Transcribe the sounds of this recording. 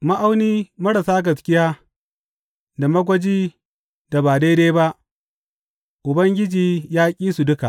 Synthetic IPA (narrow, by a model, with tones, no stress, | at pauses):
ma˦ʔa˦wniː˦mɐ˦ɽa˨saː˦ɡɐ˨skʲɪ˦jaː˦ | da˨mɐ˦ɡʷɐ˦d͡ʒiː˦ | da˨baː˨deː˦deː˦ba˦ʔ | ʔʊ˨bɐ˦ŋɡʲɪ˦d͡ʒiː˨jaː˦kʲʼiː˦su˨dʊ˦ka˨ʔ